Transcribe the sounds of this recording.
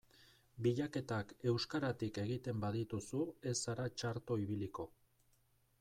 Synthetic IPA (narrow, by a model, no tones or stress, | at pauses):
biʎake̞t̪ake̞wskaɾat̪ike̞ɣit̪e̞mbaðit̪usue̞saɾat͡ʃaɾt̪o̞iβiliko̞